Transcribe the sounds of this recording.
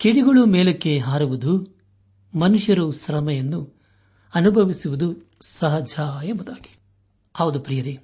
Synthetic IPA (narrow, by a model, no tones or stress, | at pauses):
keɽiɡɐɭumeːlekːeɦaːɾuʋud̪u | mɐnuʂjɐɾuʃɾɐmɐjɐnːu | ɐnubʱɐʋisuʋud̪u | sɐɦɐd͡ʒɐembud̪aːɡi̥ | ɐʋud̪upɾijɐɾi